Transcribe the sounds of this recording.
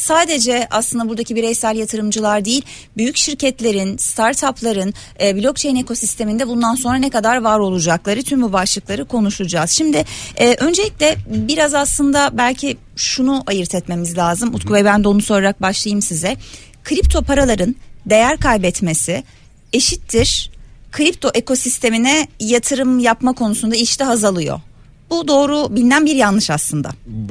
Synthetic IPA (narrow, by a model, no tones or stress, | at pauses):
saːd̪e̞d͡ʒɛa̰slɯnd̪abuɾd̪acʰibiɾɛjsælʲjat̪ʰɯɾɯmd͡ʒɯlˠaɾd̪eilʲ | byjycʃiɾcɛt̪lʲe̞ɾinst̪ʰaɾt̪ʰaplˠaɾɯnː | bilʲo̞k̚t͡ʃʰejinekʰo̞sist̪ʰe̞mind̪ɛbund̪anso̞nɾanekad̪aɾvaɾo̞lˠud͡ʒaklˠaɾɯt̪ʰymbubaʃlˠɯklˠaɾɯkʰo̞nuʃud͡ʒaːz̥ʃimd̪ɪːʔø̞nd͡ʒe̞lʲicʲlʲɛbiɾazaslˠɯnd̪abælʲcʰi | ʃunuʔajɯɾt̪ʰɛt̪me̞mizlʲaːzɯmut̪kʰuvɛbænd̪ɛonusoɾaɾak̚baʃlˠajɯmsizɛ | kʰɾip̚t̪ʰo̞pʰaɾalˠaɾɯnd̪e̞jæɾkʰajbɛt̪me̞sɪ | e̞ʃit̪ːiɾ̥kʰɾipt̪ʰo̞ʔe̞ko̞sist̪ʰe̞minɛjat̪ʰɯɾɯmjapmakʰo̞nusund̪aiʃt̪ɛɦazalˠɯjo̞̰ | bud̪o̞ːɾubilʲinænbiɾjanlˠɯʃaslˠɯnd̪a̰